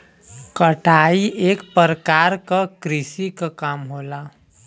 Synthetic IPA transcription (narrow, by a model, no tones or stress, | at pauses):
kəʈʰaːiʔeːkpəɾəkaːɾkakɾɪsikakaːmɦoːla